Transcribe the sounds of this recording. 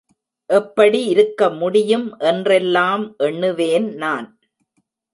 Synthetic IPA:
ʔɛpːɐɽiɪɾɯkːɐmʊɽɪjɯmʔɛndrɛlːaːmʔɛɳːɯʋeːnnaːn

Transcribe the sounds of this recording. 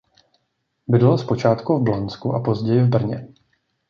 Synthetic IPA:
bɪdɛlaspo̞t͡ʃaːt̪kuvblant͡skuʔapo̞zɟɛjɪvbr̩ɲɛ

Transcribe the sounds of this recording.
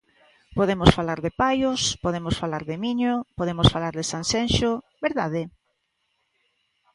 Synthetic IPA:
poðemosfalaɾðepajʊspoðemʊsfalaɾðɪmiɲopoðemosfalaɾðɪsansenʃo | beɾðaðɪ

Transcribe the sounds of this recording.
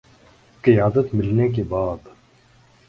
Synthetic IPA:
kɪjaːd̪ət̪mɪlneːkebaːd̪

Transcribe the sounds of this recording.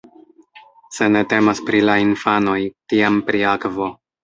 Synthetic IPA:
se̞ne̞te̞maspɾilainfano̞jtiampɾiakvo̞

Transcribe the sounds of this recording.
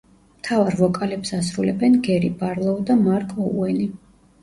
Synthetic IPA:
mt̪ʰavaɾvɔkʼalɛpsasɾulɛbɛnɡɛɾibaɾlˠɔd̪amaɾkʼɔṵɛni

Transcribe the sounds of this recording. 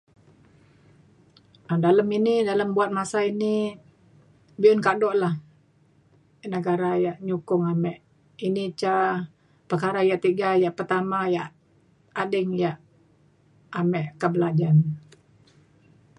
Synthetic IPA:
ədaləminidaləmbuat̪̚masaini | biʊnkadɔʔlah | nəɡaɾajaʔɲukʊŋamɛʔ | init͡ʃa | pərkaɾajaʔt̪iɡajaʔpərt̪amajaʔ | adəŋjaʔ | mɛʔkəbəlad͡ʒan

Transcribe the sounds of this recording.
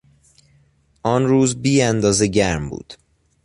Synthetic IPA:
ʔɒːnɾuːzbiːænd̪ɒːzeɟæɾmbṵːd̪̥

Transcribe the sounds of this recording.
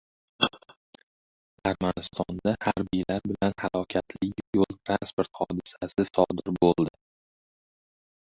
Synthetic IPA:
aɾmanɪst̪ɒnd̪ahaɾbijlaɾbɪlanhalˠɒkʲʰat̪ʰlɪjolˠt̪ʰɾanspoɾt̪hɒd̪ɪsasɪsɒd̪ɪɾbolˠd̪ɪ

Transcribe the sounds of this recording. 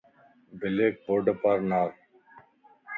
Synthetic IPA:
bɪleːk̚boɖəpəɾnaːɾ

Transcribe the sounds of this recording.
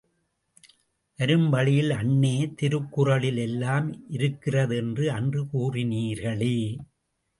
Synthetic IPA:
ʔɐɾɯmʋɐɭɪjɪlɐɳːeːt̪ɪɾɯkːɯrɐɭɪlɛlːaːmʔɪɾɯkːɪrɐðɛndrɯɐndrɯkuːrɪniːɾɣɐɭeː

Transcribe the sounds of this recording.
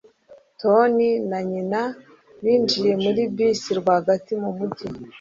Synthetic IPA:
to̞ninaɲina | βiːnd͡ʒiɾe̞muɾibbisiɾɡwaaɡatimumuɟi

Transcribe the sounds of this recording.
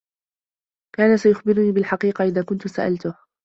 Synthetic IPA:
kaːnasajʊxbɪɾniːbɪlħɑqiːqɑʔɪðaːkʊnt̪ʊsaʔa̰lt̪ʊh

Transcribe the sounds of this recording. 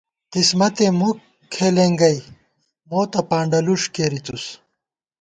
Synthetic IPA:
kismɐt̪emuk | kʰːeleːŋɡɐj | moːt̪ɐpaːɳɖɐluʂkeɾit̪us

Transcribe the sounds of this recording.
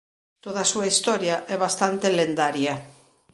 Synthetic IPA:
t̪oð̞asuaist̪ɔɾjaʔɛβ̞ast̪ant̪elend̪aɾja

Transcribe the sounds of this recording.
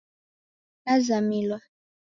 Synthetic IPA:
nazamilwa

